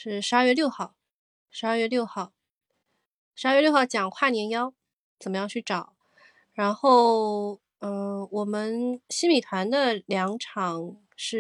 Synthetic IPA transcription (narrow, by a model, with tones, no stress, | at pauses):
ʂɻ̩˥˩ʂɻ̩˧˥a˞˥˧ɥɛ˥˧ljo˥˧ʊxɑ˥˩ʊ | ʂɻ̩˧˥a˞˥˧ɥɛ˥˧ljo˥˧ʊxɑ˥˩ʊ | ʂɻ̩˧˥˧ɥɛ˥˧ljo˥˧ʊxɑ˥˩ʊt͡ɕjɑ˨˩ŋkʰwa˥˩njɛ˧˥njɑ˥ʊ | t͡sə˨˩mə˦jɑ˥˧ŋt͡ɕʰy˥˩ʈ͡ʂɑ˨˩˦ʊ | ɻa˧˥nxo˥˩ʊ | ə˥˧˩wɔ˨˩mə˦nɕi˥mi˨˩t̪ʰwa˧˥nd̪ə˧ljɑ˧˥ŋʈ͡ʂʰɑ˨˩˦ŋ | ʂɻ̩˥˩